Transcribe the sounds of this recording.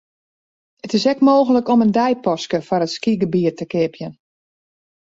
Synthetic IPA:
ətɪsɛkmoːɣələkɔməndɛjpɔskəfɔɾətskiɡəbiətəkɪpʰjən

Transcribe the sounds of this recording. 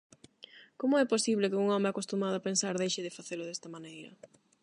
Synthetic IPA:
komʊɛposiβlɪkɪuŋɔmɪakost̪umað̞ʊapensaɾðejʃɪðɪfaθeɾʊðɛst̪ɐmãnejɾɐ̰

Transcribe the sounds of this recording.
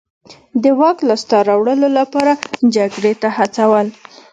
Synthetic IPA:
d̪əwɑklast̪ɑɾawɽəlolapɑɾad͡ʒaɡɽet̪ahat͡sawəl

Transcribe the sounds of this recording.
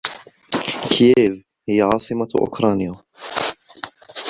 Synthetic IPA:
kjeːv | hɪjːaʕɑːsˤɨmaʔʊ̰kɾˤɑːnja

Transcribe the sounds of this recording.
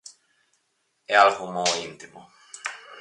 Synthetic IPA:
ealɣomoint̪imo

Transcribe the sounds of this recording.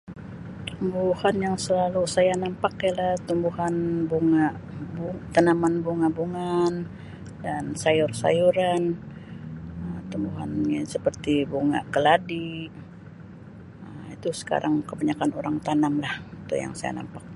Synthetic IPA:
t̪umbuhanjaŋsəlalusajanampakjalaht̪umbuhanbuŋaʔbut̪anamanbuŋabuŋan | dansajʊrsa̰juɾan | əmt̪umbuɦanɲasəpərt̪ibuŋa̰ʔkəladi | əmit̪usə̥ka̰ɾʔaŋkəbaɲakanoɾaŋt̪anamlahit̪ṵja̰ŋsaja̰na̰mpak̚

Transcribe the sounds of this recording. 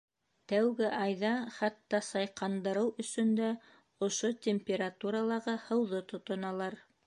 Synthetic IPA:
t̪æwɡɘʔɑjðɑχæt̪ːɑsɑjqɑnd̪ɤ̆ɾɤwɵ̆sɵ̆nd̪æ | ŏʃot̪ʲemʲpʲeɾat̪uɾalˠɑʁɤhɤ̆wðot̪ŏt̪ŏnɑlˠɑɾ

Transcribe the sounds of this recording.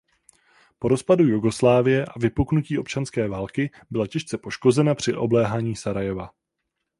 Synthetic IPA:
po̞ɾo̞spadujuɡo̞slaːvɪjɛʔavɪpuknuciːʔo̞p̚t͡ʃanskɛːvaːlkɪ | bɪlacɛʃt͡sɛpo̞ʃko̞zɛnapr̝̥ɪʔo̞blɛːɦaːɲiːsaɾajɛva̰

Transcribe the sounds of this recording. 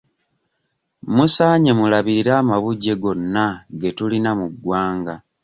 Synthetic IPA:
musaːɲe̞mulaβiiɾaːmaβuɟːe̞ɡo̞nːaɡe̞tulinamuɡwaːŋɡa

